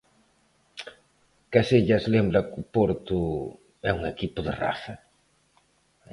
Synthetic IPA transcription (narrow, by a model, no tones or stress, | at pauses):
kaseʎɐslembɾɐkʊpoɾt̪ʊ | ɛuŋekipʊðɪ̰ra̰θɐ